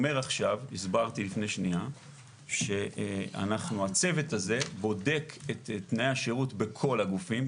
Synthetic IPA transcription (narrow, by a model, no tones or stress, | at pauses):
me̞ʁaχʃavisbaʁt̪ilifne̞jʃnia | ʃe̞a̰naχnuat͡se̞vetaze̞bo̞de̞kʰet̪etnaeaʃeʁutbe̞kʰo̞laɡufim